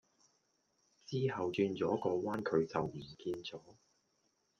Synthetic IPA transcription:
t͡siː˥hɐ˨wt͡ʃyː˧nt͡sɔː˨˥kɔː˧waː˥nkʰɵ˨˧˥ɥt͡sɐ˨wm̩˨˩kiː˧nt͡sɔː˨˥

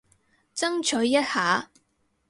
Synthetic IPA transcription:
t͡sɐ˥ŋt͡ʃʰɵː˨˥ɐ˥t̚haː˨˥

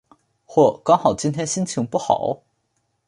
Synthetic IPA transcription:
xwɔ˥˩kɑ˥ŋxɑ˨˩ʊt͡ɕi˥nt̪ʰjɛ˥nɕi˥nt͡ɕʰi˧˥ŋpu˥˩xɑ̰˨˩˦ʊ

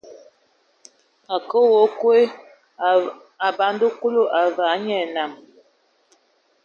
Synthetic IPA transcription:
a˨kə˦wo˨˦kwe˦ | a˨ba˨n˦do˦ku˦lo˦ʔa˨va˨˦ɲɛ˨na˨m

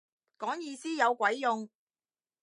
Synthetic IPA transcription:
kɔː˨˥ŋjiː˧siː˥jɐ˨˧wkʷɐ˨˥jjʊ˨˧ŋ

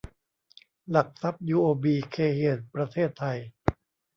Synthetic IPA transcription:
la˨˩k̚sa˦˥p̚juː˧ʔoː˧biː˧kʰeː˧heː˨˩t̪̚pɾa˧t̪ʰeː˥˩t̪ʰːa˧j

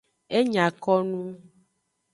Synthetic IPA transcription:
e˦ɲã˨kɔ˦nũ˦

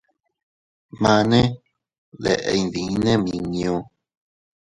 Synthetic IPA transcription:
mã˧nẽ˦ | ðḛ˧˨ʔe˧˨jnðĩ˨˦nẽ˦mĩ˧nĩ˧õ˧

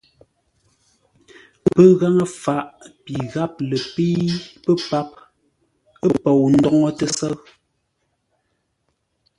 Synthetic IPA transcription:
pə˦ɣa˦ŋə˦fa˨˦ʔpi˨ɣa˦p̚lə˨pi˦pə˦pa˦p̚ | ə˦po˨wn̩˦dɔ˦ŋɔ˦tə˨sə˦ɰ

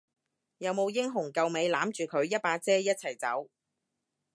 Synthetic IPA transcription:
jɐ˨˧wmo˨˧wjɪ˥ŋɦʊ˨˩ŋkɐ˨˧wme˨˧jlaː˨˥mt͡ʃyː˨kʰɵ˨˧ɥjɐ˥t̚paː˧t͡sɛː˥jɐ˥t̚t͡sʰɐ˨˩jt͡sɐ̰˨˥w

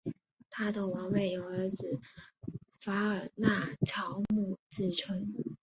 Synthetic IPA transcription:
t̪ʰa˥d̪ə˨wɑ˧˥ŋwe˥˩ɪjo˨˩ʊə˞˧˥d͡zɹ̩˨˩ | fa˧˥ə˞˨˩na˥˩t͡ɕʰjɑ˧˥ʊmu˥˩t͡sɹ̩˥˩ʈ͡ʂʰə˥ŋ

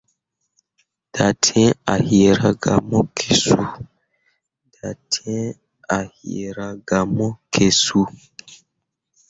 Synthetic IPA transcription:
d̥a˨tʰɛ̃˦a˨he˨ɾa˨ɡa̰˨mɔ˦kʰe˨su˦ | d̥a˨tʰɛ̃˦ | a˨he˨ɾa˨ɡa˨mɔ˦kʰe˨su˦

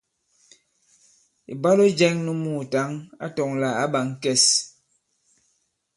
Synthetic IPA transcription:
ḭ˨ba˦lo˦d͡ʒɛ˦ŋnu˦muː˦˨ta˨˦ŋa̰˦tɔ˨ŋla˨a˦ɓa˨ŋ˦kɛ˦s

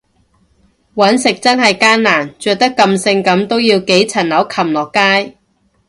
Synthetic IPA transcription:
wɐ˨˥nsɪ˨k̚t͡sɐ˥nhɐ˨jkaː˥nnaː˨˩nt͡ʃœː˨k̚t̪ɐ˥kːɐ˧msɪ˧ŋkɐ˨˧˥mt̪o˥wjiː˧wke˨˥jt͡sʰɐ˨˩nlɐ˨˥wkʰɐ˨˩mlɔː˨kːaː˥j

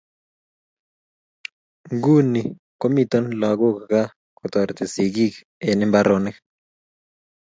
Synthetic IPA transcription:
ŋɡu˦ni˨ | ko˦mi˦˨t̪ɔ˦nla˨ɡo˦kka˦ | ko˨t̪ɔ˨ɾt̪e˨si˨ɡi˦k | e˨nɪ˦mba˦ɾonɪ˦k

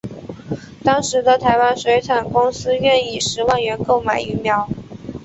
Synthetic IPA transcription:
t̪ɑ˥ŋʂɻ̩˧˥d̪ə˧t̪ʰa˧˥ɪwa˥nʂwe˧˥ɪt͡sʰa˨˩nkʊ˥ŋsɹ̩˥ɥɛ˥˧ni˥˩ʂɻ̩˧˥wa˥˩nɥɛ˧˥nko˥˩ʊma˨˩ɪy˧˥mjɑ˧˥ʊ

